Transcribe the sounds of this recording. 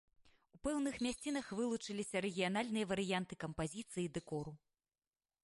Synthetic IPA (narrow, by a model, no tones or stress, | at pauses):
upɛwnɨxmʲasʲt͡sʲin̪ɐxvɨlˠut͡ʂɨlʲisʲɐɾɛɣʲijanalʲnɨjɐvɐɾɨjant̪ɨkɐmpazʲit̪sɨjid̪ɛkɔɾu